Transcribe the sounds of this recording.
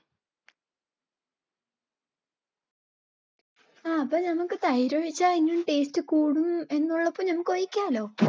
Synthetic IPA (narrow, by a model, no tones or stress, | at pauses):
aːɐpːoːnɐmukːɨt̪ɐjɾoɻit͡ɕːainːumʈe̞ːstɨkuːɽume̞nːuɭːɐpːoːnɐmukːɨojikʲːaːlo̞ː